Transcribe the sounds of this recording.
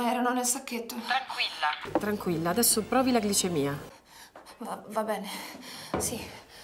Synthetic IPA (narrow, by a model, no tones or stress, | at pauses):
ɛːɾanonelsakːet̪ːot̪ɾaŋkwilːat̪ɾaŋkwilːaːd̪ɛsːopɾɔːvilaɡlit͡ʃemiːa | vavabɛːnesi